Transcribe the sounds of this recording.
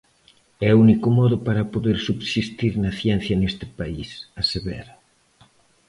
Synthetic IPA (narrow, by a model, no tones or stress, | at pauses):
ɛunikʊmɔðʊpaɾɐpoðeɾsubsist̪iɾnɐθjɛn̟θjɐnest̪ɪ̥paisɐseβɛ̰ɾa